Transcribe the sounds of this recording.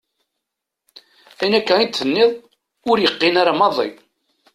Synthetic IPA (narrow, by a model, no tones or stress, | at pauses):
ænækːæint̪θənːɪðˤ | ʊɾjəqːinaɾamɑðˤḭ